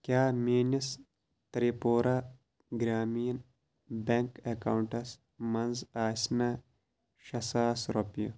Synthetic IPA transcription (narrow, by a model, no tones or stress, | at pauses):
kʲjaːmiːnis | t̪ɐɾipoːɾa | ɡɾaːmijn | beŋkekaːwuɳʈɐs | mɐnzaːsnɐ | ʃɐsaːsɾopijṵ